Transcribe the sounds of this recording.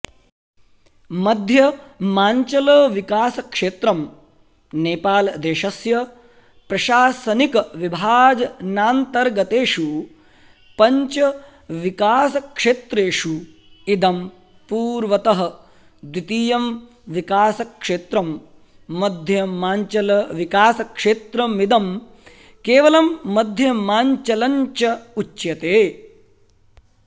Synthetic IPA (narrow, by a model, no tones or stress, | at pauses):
mɐd̪ʱjɐmaːɲt͡ʃɐlɐːʋikaːsɐkʂeːt̪ɾɐm | neːpaːlɐd̪eːʃɐsjɐ | pɾɐʃaːsɐnikɐʋibʱaːd͡ʒɐnaːnt̪ɐɾɡɐt̪eːʂu | pɐɲt͡ʃɐ | ʋikaːsɐkʂeːt̪ɾeːʂu | id̪ɐm | puːɾʋɐt̪ɐɦɐ̆ | d̪wit̪iːjɐm | ʋikaːsɐkʂeːt̪ɾɐmː | ɐd̪ʱjɐaːɲt͡ʃɐlɐʋikaːsɐkʂeːt̪ɾɐmid̪ɐm | keːʋɐlɐmːɐd̪ʱjɐmaːɲt͡ʃɐlɐɲt͡ʃɐut͡ʃːjɐt̪eː